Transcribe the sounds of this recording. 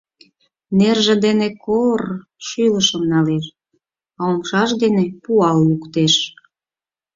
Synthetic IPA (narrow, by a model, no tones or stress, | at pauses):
nerʒĕd̪enekorʃyləʃəmnɑleʃ | ɑomʃɑʃd̪enepuɑlːukt̪eʃ